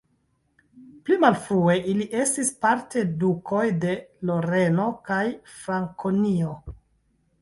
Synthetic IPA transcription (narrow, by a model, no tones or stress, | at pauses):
plimalfɾue̞ʔiliʔe̞stispaɾte̞duko̞jde̞lo̞ɾe̞no̞kajfɾaŋkʰonio̞